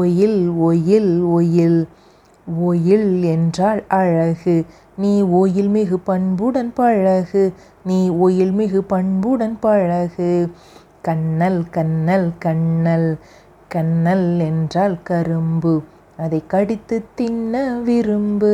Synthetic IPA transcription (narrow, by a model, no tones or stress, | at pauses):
ɔjɪlɔjɪlɔjɪl | oːjɪlɛndraːɭɐɻɐɣɯ | niːoːjɪlmeːɣɯpɐɳbɯɽɐnpɐɻɐɣɯ | niːoːjɪlmeːɣɯpɐɳbɯɽɐnpɐɻɐɣɯ | kɐɳːɐlkɐɳːɐlkɐɳːɐl | kɐnːɐlɛndraːlkɐɾɯmbɯ | ɐðɐɪkːɐɽɪt̪ːɯt̪ːɪnːɐʋɪɾɯmbɯ